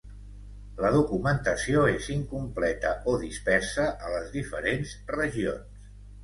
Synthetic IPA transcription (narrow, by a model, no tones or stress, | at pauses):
ləðukumənt̪əsioeziŋkumplɛt̪əʔoðispɛɾsəʔələzðifəɾenzrəʒio̰ns